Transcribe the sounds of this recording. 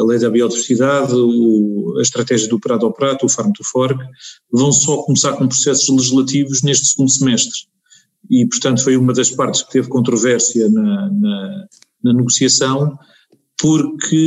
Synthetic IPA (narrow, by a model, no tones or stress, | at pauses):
ɐlˠɐjðɐβiɔðivɾsiðaðuɐʃt̪ɾɐt̪ɛʒiɐðupɾaðɔpɾat̪uufaɾmt̪ufɔɾɣvɐ̃w̃sɔkumsaɾkõpɾu̥sɛsu̥ʒlˠɨʒiʒlˠɐt̪ivuʒneʃt̪sɣũnd̪usɨmɛʃt̪ɾ | ipuɾt̪ɐ̃nt̪ufojumɐðɐʃpaɾt̪ʃk̚t̪evkõnt̪ɾuvɛɾsjɐnɐnɐ | nɐnɨɣusiɐsɐ̃w̃ | puɾkʰɨ